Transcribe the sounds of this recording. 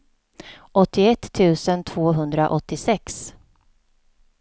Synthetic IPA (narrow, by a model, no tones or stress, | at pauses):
ʔɔt̪ʰːɪɛt̪ʰːʉ̟ːsənt̪ʰv̥oːɦɵnd̪ɾa̰ʔɔt̪ːɪsɛks